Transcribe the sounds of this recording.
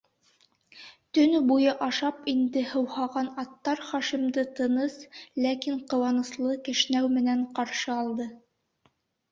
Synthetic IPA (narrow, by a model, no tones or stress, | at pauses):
t̪ɵ̆nbujɤʔɑʃɑpind̪ɘhɤ̆whɑʁɑnɑt̪ːɑɾχɑʃimd̪ɤt̪ɤ̆nɤslækiɴqɤ̆wɑnɤ̆slˠɤkɘ̆ʃnæwmɘ̆næɴqɑɾʃɤɑlˠd̪ɤ